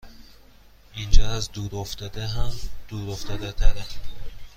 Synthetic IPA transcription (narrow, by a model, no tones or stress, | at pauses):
ind͡ʒaazd̪uɾɔft̪ad̪aɦamd̪̥uɾɔft̪ʰad̪at̪ʰaɾa